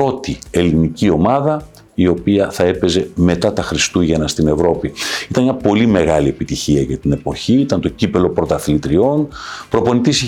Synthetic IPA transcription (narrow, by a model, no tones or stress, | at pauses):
o̞t̪ie̞linicio̞mɐðɐ | io̞piɐθɐe̞pe̞ze̞me̞t̪ɐt̪ɐxɾist̪uʝɐnɐst̪ine̞vɾo̞piit̪ɐnmɲɐpo̞lime̞ɣɐlie̞pit̪içiɐʝɐt̪ine̞po̞çiit̪ɐnt̪o̞cipe̞lo̞pɾo̞t̪ɐθilit̪ɾio̞npɾo̞po̞nit̪is